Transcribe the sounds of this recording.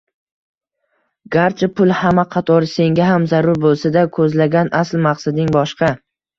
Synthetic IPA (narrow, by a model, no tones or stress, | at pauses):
ɡaɾt͡ʃʰɪpʰʊlˠhamaqʰɑt̪ʰɒɾse̞ŋɡʲaɦamzaɾʊɾbolˠsad̪akʰɵzlaɡʲanʔaslmaqsad̪ɪŋbɒʃqɑ